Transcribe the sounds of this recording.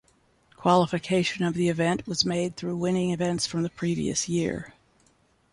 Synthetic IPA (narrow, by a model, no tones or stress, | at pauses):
kʰw̥ɑlˠəfɨkʰeɪʃɨ̃nʌvðiɨvɛ̃nʔwʌzmeɪd̪̚θɹʉwɪ̃ñɪ̃ŋɨvɛ̃ntsfɹʌ̃mðɨpʰɹ̥ivḭɨ̰sjɪ̰ɹ